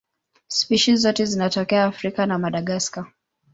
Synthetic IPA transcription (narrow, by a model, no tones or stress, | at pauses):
spiʃizɔtɛzinatɔkɛaːfɾikanamaɗaɠaska